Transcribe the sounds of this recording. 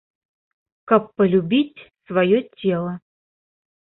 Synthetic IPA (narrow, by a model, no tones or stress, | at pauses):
kapːəlʲubʲitʲsvajotʲelˠə